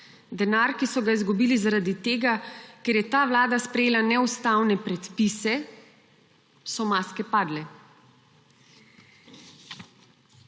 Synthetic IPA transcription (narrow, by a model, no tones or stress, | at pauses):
d̪ɛnaːɾkisɔɡaizɡubiːlizaɾad̪it̪eːɡakɛɾjɛt̪aːʋlaːd̪aspɾɛjeːlanɛust̪aːwnɛpɾɛt̪pisɛ | sɔmaːskɛpaːd̪lɛ